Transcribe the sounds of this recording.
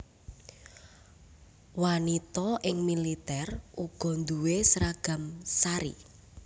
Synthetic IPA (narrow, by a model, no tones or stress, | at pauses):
wanit̪ɔʔɪŋmilit̪ɛrʔuɡ̥ɔ̤nd̪uwesɾaɡ̥a̤msaɾḭ